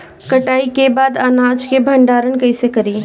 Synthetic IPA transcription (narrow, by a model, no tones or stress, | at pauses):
kəʈaːikebaːd̪ənad͡ʒkebʱəɳɖaːɾənkəɪsekəɾi